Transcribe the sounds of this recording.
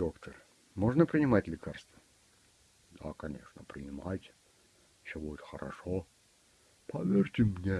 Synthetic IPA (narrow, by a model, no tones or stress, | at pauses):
d̪̥o̞kt̪ʰər | moʐnəpɾʲɪnʲɪmatʲlʲɪkarst̪və | d̪a̰kɐnʲe̞̰ʂnəpɾʲɪnʲɪmatʲ | sʲobudʲɪt̪xəɾɐ̰ʂo | pɐvʲerʲtʲɪmnʲe